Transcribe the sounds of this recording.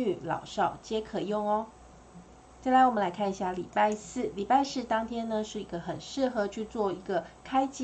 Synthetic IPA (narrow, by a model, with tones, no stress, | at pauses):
y˨˩lɑ̰˨˩ʊʂɑ˥˩ʊt͡ɕjɛ˥kʰɤ˨˩jʊ˥˩ŋɔ˦ | t͡sa˥˩ɪla˧˦ɪwɔ˨˩mə˦la˧˥ɪkʰni˧˩ɕja˥˩lḭ˨˩pa˥˧ɪsɹ̩˥˩li˨˩pa˥˧ɪsɹ̩˥˩t̪ɑ˥ŋt̪ʰjɛ˥nə˧ʂɻ̩˥˩i˧˥ɡə˧xə˨˩nʂɻ̩˥˩xɤ˧˥˦t͡ɕʰy˥˧t͡swɔ˥˩i˧˥ɡə˧kʰa˥ɪt͡ɕi˥